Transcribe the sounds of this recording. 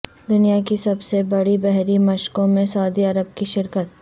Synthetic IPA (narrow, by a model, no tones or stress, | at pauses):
d̪ʊnijakisɐbsebɐɽibɛɦɾimɐʃkõmẽsɐʊd̪iɐɾəb̚kiʃɪɾkət̪̚